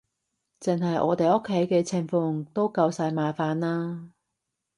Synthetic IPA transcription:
t͡sɪ˨ŋɦɐ˨jʔɔ̰ː˨˧t̪e˨jʔʊ˥kʰːe˨˥jkɛː˧t͡sʰɪ˨ŋfʊ˨˧ŋt̪o˥wkɐ˧wsaː˧jmaː˨faː˨˧nlaː˥

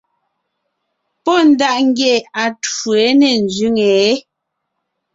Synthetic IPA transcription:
pɔ˦n̩˦da˦ʔŋ̩˦ɡjɛ˨a˨tu˨e˨˦nɛ˨n˨d͡ʒɥʉ˦ŋɛ˨˦

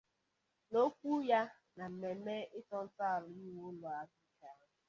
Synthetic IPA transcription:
no˦kʷu˦ja˦ | na˨m̩˨me˨me˦ɪ˦tɔ˦n̩˦ta˦˨ɾʊ˨i˦wʊ˦lʊ˨a˨bi˦ka˨˦

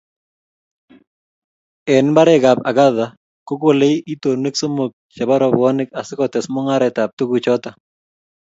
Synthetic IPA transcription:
ɛ˨nba˦ɾɛ˦ɡa˨pa̰˨ɡa˦ða˨ | ko˦ko˦˨le˦ʔi˦to˨ne˦kso˦mo˨k̚t͡ʃa˨ba˦ɾɔ˨bɔ˦nɪ˦ka˨sɪ˦kɔ˨tɛ˨smɔ˦ŋa˦ɾɛ˨ta˨p̚tu˦ɡu˨t͡ʃɔ˦ta˨

